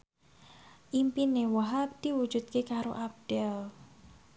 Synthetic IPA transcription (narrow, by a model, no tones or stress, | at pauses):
ʔimpinewaɦap̚d̪̥iwud͡ʒut̪̚kekaɾoʔap̚d̥ɛl